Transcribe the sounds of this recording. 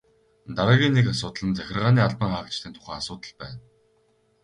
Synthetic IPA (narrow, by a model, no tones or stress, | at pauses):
t̪aɾaːɣʲiːnːekasʊːt̪ə̆ɮə̆nt͡sæxʲɪ̆rʁaːniːaɮpə̆ŋχaːkt͡ɕt̪ʰiːnt̪ʰʊ̥χæːasʊːt̪ə̆ɮpæːn